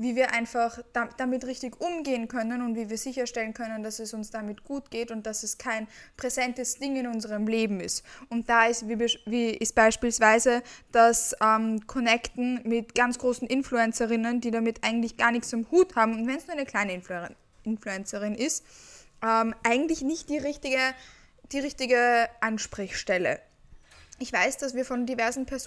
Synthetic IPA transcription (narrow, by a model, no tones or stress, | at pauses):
viːviːɐʔaɪnfaχd̥ad̥amɪtʁɪçtɪçʔʊmɡeːənkʰœnənʊntv̥iːviːɐzɪçɐʃtɛlənkʰœnənd̥asɛsʊnsd̥amɪtɡ̥uːtɡ̥eːtʊnt̚d̥asɛskʰaɪnpʁ̥ezɛntəsd̥ɪŋɪnʊnzəʁəmleːbm̩ɪstʊnt̚d̥aːɪsvibviːɪst̚b̥aɪʃpiːlsv̥aɪzəd̥asɛːmkʰɔnɛktn̩mɪtɡ̥ant͡sɡ̥ʁoːsn̩ʔɪnfluɛnt͡səʁɪnəndiːdamɪtʔaɪɡŋ̩tlɪçɡ̥aːɐnɪçt͡sʊmhuːthaːbm̩ʊntvɛnsnuɐaɪnəkʰl̥aɪnəɪn | ɪnfluɛnt͡səʁɪnɪst | ʔɛːmʔaɪɡŋ̩tlɪçnɪçt̚d̥iːʁɪçtɪɡə | d̥iːʁɪçtɪɡəʔanʃpʁ̥ɪçʃtɛlə̰ | ɪçv̥aɪsd̥asv̥iːɐfɔndivɛɐzn̩pʰɛɐz